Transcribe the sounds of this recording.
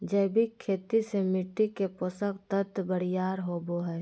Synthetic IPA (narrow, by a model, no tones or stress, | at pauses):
d͡ʒəːbʱikʰːeːt̪isemɪʈːikeposəkt̪ət̪ːbəɽ̤ijaːɾɦoːboɦɛː